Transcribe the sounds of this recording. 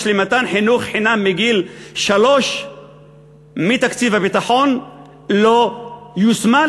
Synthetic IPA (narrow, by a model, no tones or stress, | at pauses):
ʃlimat̪anħinuχħinamːiɡilʃaloʃ | mit̪akt͡sivabit̪aħon | lojusma